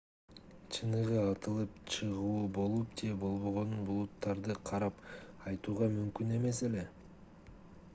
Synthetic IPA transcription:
t͡ʃʰɯnɯʁɯɑt̪ɯlˠɯp̚t͡ʃʰɯʁuːbo̞lˠup̚d͡ʒebo̞lˠβo̞ʁo̞nunbulˠut̪ːɑɾd̪ɯqʰɑɾɑpɑjt̪uːʁɑmymkyne̞me̞se̞le̞

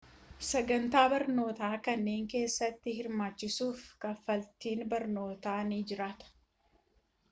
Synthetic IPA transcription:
sɐɡɐnt̪aːbɐɾno̞ːt̪aːkɐnːe̞ːŋke̞ːsːɐt̪ːɪhɪɾmaːt͡ʃːɪsuːfkɐfːɐlt̪iːnbɐɾno̞ːt̪aːniːd͡ʒɪɾaːt̪ɐ̥

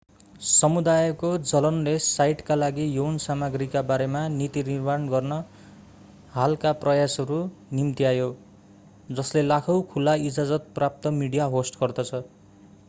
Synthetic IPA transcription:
sʌmud̪ajʌkod͡zʌlʌnlesajʈkalaɡijownsamaɡrikabaɾemanit̪inirmanɡʌrnʌ | ɦalkaprʌjasʌɾunimt̪iajo | d͡zʌslelakʰʌwkʰulaid͡zad͡zʌt̪̚prap̚t̪ʌmiɽijaɦosʈɡ̥ʌrd̪ʌt͡sʰʌ

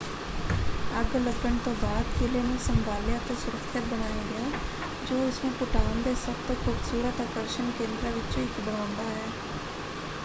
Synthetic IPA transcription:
əɡləɡəɳt̪õːbaːd̪keːleːnẽːsəmbʱaːljãːt̪eːsʊɾəkʃɪt̪̚bənaːjaːɡɪaː | d͡ʒoːʊsmẽːpʊʈaːnd̪eːsəbt̪kʰuːbsuːɾət̪akəɾʃəɳkẽːnd̪ɾaʋɪt͡ʃɪkbəɽãʊnd̪aːɦɛː

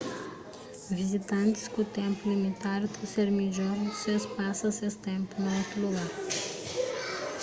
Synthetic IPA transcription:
vizit̪ɐ̃nt̪i̥skut̪ẽmpulimit̪aɾut̪useɾmiʒosespasɐsest̪ẽmpunuot̪uluɡaɾ

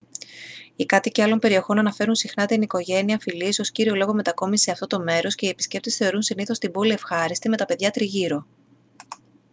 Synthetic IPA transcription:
ikɐt̪iceɐlo̞mpe̞ɾio̞xo̞nɐnɐfe̞ɾunsixnɐt̪iniko̞ʝe̞niɐfilieso̞sciɾio̞lo̞ɣo̞met̪ɐko̞mise̞ɐft̪o̞t̪o̞me̞ɾo̞sce̞iepisce̞p̚t̪esθe̞o̞ɾunsiniθo̞st̪imbo̞lie̞fxɐɾist̪ime̞t̪ɐpe̞ðʝɐt̪ɾiʝiɾo̞

